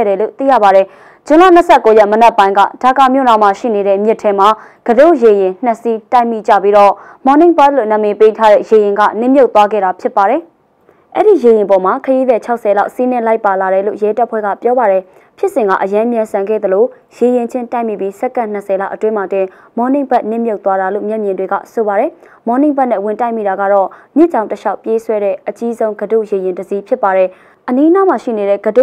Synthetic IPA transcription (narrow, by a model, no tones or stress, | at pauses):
ɾɛlo̰t̪ḭja̰baɾɛ | d͡ʑʊ̃la̰n̥əsʰɛkːojɛʔmənɛʔpːãɪ̃ŋɡä̰d̥akamjo̰nãmaʃḭneɾɛ̰mjɪtʰːɛma | ɡ̥ədojejɪ̃n̥əsitaɪ̃mḭd͡ʑä̰piɾɔ | mɔ̃nɪ̃ŋbat̪̚lo̰nãmepetʰaɾɛ̰jejɪ̃ŋɡa̰nɪ̃mjoʊt̪ːwaɡɛ̰ɾapʰjɪpːaɾɛ | ʔɛ̰ɹijejɪ̃pɔmakʰəjiðɛt͡ɕʰaʊʔsʰɛlaʊʔsin̥ɪ̃laɪpːalaɾɛlo̰jɛtaʔpʰwɛ̰ɡa̰pjɔbaɾɛ | pʰjɪʔsɪ̃ŋɡa̰ʔəjãmjãsãŋɡɛ̰d̪əlo | jejɪ̃ɲd͡ʑʰɪ̃ntãɪ̃mḭpjisɛkːãn̥əsɛla̰ʔətwɪ̃matwɪ̃ | mɔnẽbaʔnɪ̰̃mjoʊt̪waɾalo̰mjɛʔmjɪ̃ndweɡä̰soβaɾɛ | mɔnẽmbaʔnɛ̰wɪ̃tãɪ̃mḭɾaɡa̰ɾɔmjɪt͡ɕã̰ʊ̃təʃaʊpjeswɛɾɛ̰ʔət͡ɕizõʊ̃ŋɡədṵjejɪ̃ndəzipʰjɪpːaɾɛ | ʔəninamaʃḭneɾɛ̰ɡədu